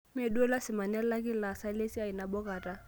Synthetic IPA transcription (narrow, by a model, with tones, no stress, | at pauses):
me˨du˦ɛ˦la˦sɪ˨ma˨nɛ˦la˦kɪ˦la˨sa˦le˦si˦a˨i˨na˨bɔ˦ka˨ta˦